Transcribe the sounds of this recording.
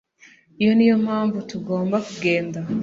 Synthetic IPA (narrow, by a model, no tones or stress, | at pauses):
ijonijo̞maːɱvutuɡo̞ːmbakuɡe̞ːnda